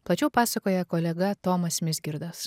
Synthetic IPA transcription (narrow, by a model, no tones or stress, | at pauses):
plˠɐt͡ʃʲɛːpɑːsɐkoːjɛkoːlʲɛɡɐt̪oːmɐsʲmʲɪsʲɡʲɪɾd̪ɐs